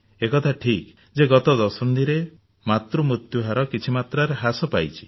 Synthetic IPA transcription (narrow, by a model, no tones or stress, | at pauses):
ekɔt̪ʰaʈʰik | d͡ʒeɡɔt̪ɔd̪ɔsɔnd̪iɾe | mat̪ɾumɾut̪juɦaɾɔkit͡ʃʰimat̪ɾaɾeɦasɔpajt͡ʃʰi̥